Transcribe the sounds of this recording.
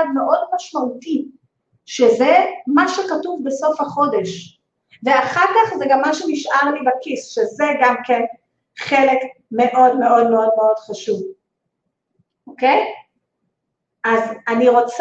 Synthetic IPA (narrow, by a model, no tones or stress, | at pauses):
dme̞ʔo̞dmaʃmauti | ʃezemaʃekatuvbe̞so̞fhaχo̞de̞ʃ | veaχaʁkaχzeɡamːaʃeniʃʔaʁlibakisʃezeɡamken | χe̞lek | me̞ʔo̞dme̞ʔo̞dmeo̞dmeo̞dχaʃuv | ʔokej | ʔazaniʁo̞t͡s